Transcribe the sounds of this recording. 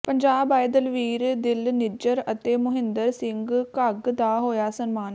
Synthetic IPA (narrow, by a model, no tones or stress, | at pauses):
pəɲd͡ʒaːbaːjd̪əlʋiːɾd̪ɪlnɪd͡ʒəɾət̪eːmʊɦɪ̃nd̪əɾsɪŋɡkəɡd̪aːɦoːjaːsənmaːn